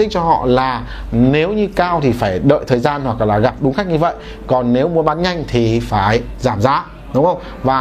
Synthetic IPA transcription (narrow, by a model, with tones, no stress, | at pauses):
ï˦˥k̟̚t͡ɕɔ˧ɦɔ̰˧˨laː˨˩ | ne˨˦wɲɨ˧kaː˧wt̪ʰi˨˩faː˧˩jɗə̰ː˧˨jt̪ʰəː˨˩jzaː˧nhwa˨˩k̚laː˨˩ɣa˨˩p̚ɗʊ˨˦ŋ͡mxa˦˥k̚ɲɨ˧və̰˧˨j | kɔ˨˩nːe˨˦wmu˨˦əɓaː˨˦nɲa˧jŋ̟t̪ʰi˨˩faː˧˩jzaː˧˩mzaː˨˦ | ɗʊ˨˦wŋ͡mxə˧wŋ͡m | vaː˨˩